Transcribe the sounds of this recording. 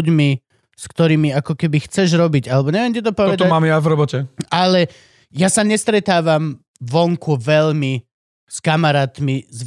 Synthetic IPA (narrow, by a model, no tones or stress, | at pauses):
ɟmi | skt̪ɔɾiːmiakɔkɛbixt͡sɛʒɾɔbiɟalɛbɔɲɛʋɛmcit̪̬ɔpɔʋɛd̪ɔamaːmjavɾɔbɔcɛalɛ | jasaɲɛst̪ɾɛt̪aːʋam | ʋɔŋkuʋɛʎmi | skamaɾaːt̪miz